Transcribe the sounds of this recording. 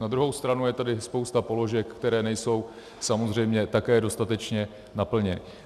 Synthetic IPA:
nad̪ɾuɦo̞wst̪ɾanujɛt̪adɪspowst̪apo̞lo̞ʒɛkːt̪ɛɾɛːnɛjso̞w | samo̞zr̝ɛjmɲɛt̪akɛːdo̞st̪at̪ɛt͡ʃɲɛ | napl̩ɲɛnɪ

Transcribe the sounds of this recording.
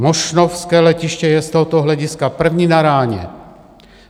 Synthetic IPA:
mɔʃnofskɛːlɛciʃcɛjɛst̪oɦɔt̪ɔɦlɛɟiskapr̩vɲiːnaɾaːɲɛ̰

